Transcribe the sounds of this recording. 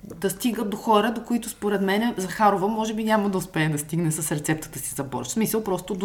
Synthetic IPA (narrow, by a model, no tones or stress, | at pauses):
d̪ɐst̪iɡət̪̚d̪oxɔɾəd̪okʊit̪ʊspoɾɛt̪mɛnɛzɐxaɾovəmɔʒɛbinʲamɐd̪ɐʊspɛːd̪ɐst̪iɡnɛsɐsɾɛt̪sɛp̚t̪ə̥t̪əsizɐbɔ̰ɾʃsmisəlˠpɾɔst̪ʊd̪